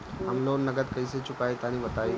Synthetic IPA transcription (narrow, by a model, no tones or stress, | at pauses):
əŋɡlonnəɡət̪kəjset͡ɕukajt̪aɽ̃iʋət̪aj